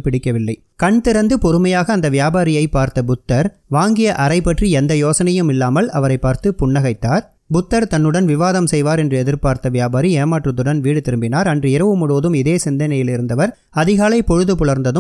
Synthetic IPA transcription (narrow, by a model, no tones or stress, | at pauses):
pɪɽɪkːɐʋɪlːɐɪ | kɐɳt̪ɪɾɐnd̪ɯpɔɾɯmɐjaːɣɐːnd̪ɐʋjaːbaːɾɪjɐɪpːaːɾt̪ɐbʊt̪ːɐɾʋaːŋɡɪjɐʔɐɾɐɪpːɐʈriɛnd̪ɐjoːsɐnɐjɯmɪlːaːmɐlɐʋɐɾɐɪpːaːɾt̪ɯpʊɳːɐɣɐɪt̪ːaːɾ | bʊt̪ːɐɾt̪ɐnːɯɽɐnʋɪʋaːðɐmsɛjʋaːɾɛndrɯɛðɪɾpaːɾt̪ɐʋjaːbaːɾieːmaːʈrɐt̪ːɯɽɐnʋiːɽɯt̪ɪɾɯmbɪnaːɾɐndrɯɪɾɐʋɯmʊɽoːðɯmɪðeːsɪnd̪ɐnɐjɪlɪɾɯnd̪ɐʋɐɾ | ɐðɪɣaːlɐɪpɔɻɯðɯpʊɭɐɾnd̪ɐðɯm